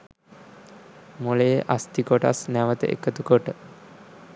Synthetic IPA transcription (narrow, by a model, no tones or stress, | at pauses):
molejəʔast̪ikoʈasnæʋət̪ə̰ʔḛkət̪ukoʈə